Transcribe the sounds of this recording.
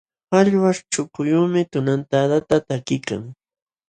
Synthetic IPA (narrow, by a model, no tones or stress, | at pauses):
aʎwaʂʈ͡ʂʊkʊjuːmɪt̪ʊnant̪ad̪at̪at̪akɪka̰ŋ